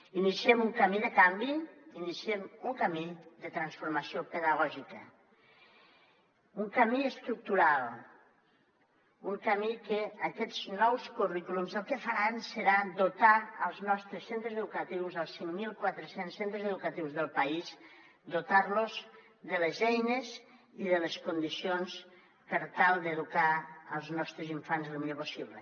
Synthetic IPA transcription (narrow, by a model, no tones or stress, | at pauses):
inisiɛmuŋkamiðəkambiinisiɛmuŋkamiðət̪ɾansfuɾmasiopəðəɣɔʒikə̰ | uŋkamiəst̪ɾuk̚t̪uɾalˠ | uŋkamikəːkɛd͡znɔwskurikulumzəlˠkəfaɾansəɾad̪ut̪aəlˠznɔst̪ɾəsːent̪ɾəzəðukət̪iwzəlˠsiŋmilˠkwat̪ɾəsensent̪ɾəzəðukət̪iwzðəlˠpəiz | d̪ut̪aɾluz | ðələzɛjnəziðələskund̪isions | pəɾt̪alˠd̪eðukaəlˠznɔst̪ɾəziɱfanzlumiʎoposiβlə̰